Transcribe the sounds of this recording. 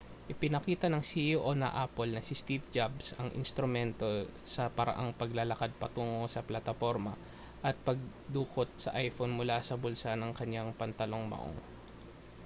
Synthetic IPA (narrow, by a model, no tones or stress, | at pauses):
ʔɪpɪnɐkiːt̪ɐnɐŋsiʔoʔonɐ̰ʔapolnɐsɪst̪ip̚d͡ʒabsɐŋʔɪ̰nst̪ɾʊmɛnt̪o̞sɐpɐɾɐ̰ʔaŋpɐɡlɐlɐkad̪̚pɐt̪uːŋo̞sɐplɐt̪ɐfo̞ɾmɐ | ʔɐt̪̚pɐɡ̚ | d̪uːkot̪̚sɐʔajfonmʊlasɐbʊlsanɐŋkɐɲːaŋpɐnt̪ɐlo̞ŋmɐ̰ʔo̰ŋ